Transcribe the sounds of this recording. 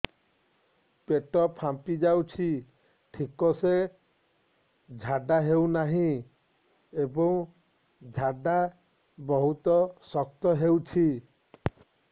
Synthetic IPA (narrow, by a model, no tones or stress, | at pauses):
peʈɔpʰampid͡ʒawt͡ʃʰi | ʈʰikɔse | d͡ʒʱaɖaɦewnaɦĩ | ebɔŋ | d͡ʒʱaɖa | bɔɦut̪ɔsɔk̚t̪ɔɦewt͡ʃʰi